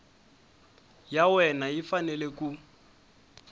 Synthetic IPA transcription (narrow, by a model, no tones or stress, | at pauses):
jawɛnajifanɛleku